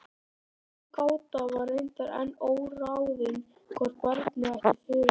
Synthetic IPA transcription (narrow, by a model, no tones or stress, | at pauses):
kaːwt̪avaɾent̪aɾɛ̰nːowɾawðɪn | kʰɔɾkʰvaɾt̪nɪɛht̪ɪɾfʏ